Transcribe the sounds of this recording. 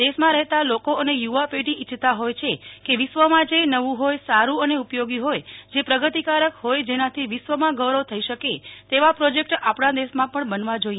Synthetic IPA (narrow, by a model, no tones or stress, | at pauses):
d̪eʃmãɾəɦt̪alokoʔənejuʋapeʈiʔit͡ʃʰt̪aɦojt͡ʃʰekeʋɪʃʋəmãd͡ʒenəʋũɦojsaɾũəneupjoɡiɦojd͡ʒepɾəɡət̪ikaɾəkɦojd͡ʒenat̪ʰiʋɪʃʋəmãɡəʋɾot̪ʰəiʃəket̪eʋapɾod͡ʒek̚ʈapɽãd̪esmãpəɳbənʋãd͡ʒoi